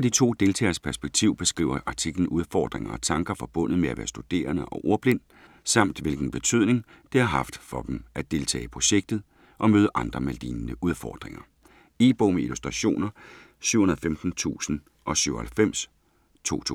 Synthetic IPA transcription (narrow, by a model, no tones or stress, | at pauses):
ɒd̥it͡sʰo̝̰ːd̥e̝lt͡sʰɛ̰ːɐspʰæɐsb̥eɡ̥̚t͡sʰiʊ̰b̥e̝sɡ̥ʁḭːʊɐʔɑ̈t͡sʰiɡ̥ln̩ʔuð̞ˠfɒ̰ːd̥ʁeŋɐɒt͡sʰɑ̈ŋɡ̥ɐfɒ̽b̥ɔ̽n̰ð̞̩ˠmeæʋæ̰ːɐsd̥ud̥e̝̰ːɐnəʔɒ̽ʔo̝ɐb̥le̝n̰d̥ | sɑ̈m̰d̥ʋe̝lɡ̥n̩b̥e̝t͡sʰyð̞̰ˠne̝ŋ | d̥e̝hɑ̈ɦɑ̈fd̥fɒ̽d̥mʔæd̥e̝lt͡sʰɛ̰ːɪpʰʁo̝ɕeɡ̥̚d̥ð̩ˠ | ʔɒ̽møːðˠəʔɑ̈nd̥ʁɐmæld̥iːnnəʔuðˠfɒ̰ːd̥ʁeŋɐ | e̝̰ːb̥o̝meilusd̥ʁɑɕo̝̰ːnɐ | syʊ̰hunɐðˠfemd̥n̩t͡sʰṵːsn̩ | ʔɒ̽syʊhælfem̰s | t͡sʰo̝̰ːt͡sʰu